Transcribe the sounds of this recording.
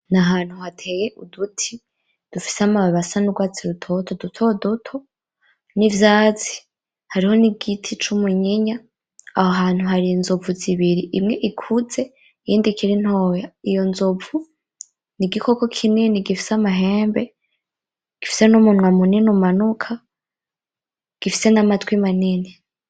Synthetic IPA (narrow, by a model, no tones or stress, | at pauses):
naɦaːn̥huhatʰejeʔudutʰi | d̥ufi̥seamaβasanuɡwaːt͡siɾutʰotʰodutʰodutʰo | nivjaːzi̥ | haɾiho̞niɡitʰit͡ʃumuɲeɲa | ahoɦaːn̥huɦaɾinzovuziβiɾiʔimŋe̞ʔikʰuze̞ | ijiːndikʰiɾin̥hojaijo̞nzovu | niɡikʰo̞ko̞kʰininiɡifi̥samaɦe̞ːmbe̞ | ɡ̥ifi̥se̞numunŋwamuninumanukʰa | ɡ̥ifise̞namatwimanini